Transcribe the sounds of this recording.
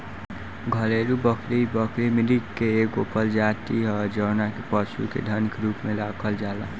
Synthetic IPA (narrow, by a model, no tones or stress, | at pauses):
ɡʱəleɾubəkʰɾibəkʰɾimilikkːeekopəld͡ʒat̪iɦəd͡ʒəːnakepəsṵkḛd̪ʱənkɾuːpmelakʰəld͡ʒaːla